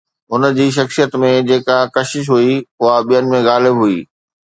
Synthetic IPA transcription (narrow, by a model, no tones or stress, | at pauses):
ʊnə̆d͡ʑiːʃ̬ɐxsijət̪mẽd͡ʑeːkakɐʃɪʃ̬ɦuiʊɦaɓijənɪ̆mẽɣaːlɪbɦuiː